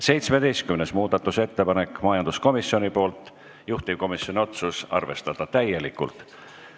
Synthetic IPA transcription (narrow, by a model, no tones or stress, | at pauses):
se̞jt̪sme̞d̪e̞jst̪kymnesmuːd̪̥ɑt̪ːˑuse̞t̪ːe̞pɑne̞kːmɑjɑnd̪̥usko̞misio̞nipo̞ːlt̪ˑ | juht̪ib̚ko̞misjo̞nʲio̞t̪susɑ̰rve̞st̪ɑd̪̥ɑt̪æje̞likːˑṵlt̪ˑ